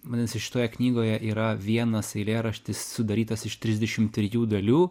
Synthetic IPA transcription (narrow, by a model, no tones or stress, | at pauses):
mɐnʲɛnsɪʃʲɪ̥t̪oːjɛknʲiːɡoːjɛʔiːɾɐʋʲiɛnɐsɐɪlʲeːɾɐʃʲt̪ʲɪsːʊd̪ɐɾʲiːt̪ɐsɪʃt̪ʲɾʲɪzʲd̪ʲɛʃʲɪmt̪ʲɾʲɪjuːd̪ɐlʲuː